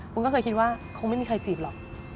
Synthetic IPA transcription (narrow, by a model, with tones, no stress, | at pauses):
kʰu˧nkɔː˥˩kɤː˧jkʰi˥t̪̚waː˥˩kʰo˧ŋa˥˩jmi˧kʰa˧jt͡ɕiː˨˩p̚lɔ˨˩k̚